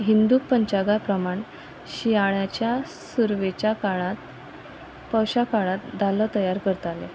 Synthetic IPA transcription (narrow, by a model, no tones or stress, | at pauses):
ɦind̪uk̚pəɲt͡ɕaɡapɾəmaɳ | ɕiaɭjat͡ɕjasuɾʋet͡ɕakaɭat̪ | pəwɕakaɭat̪̚d̪ʱalət̪əjaɾkəɾt̪alḛ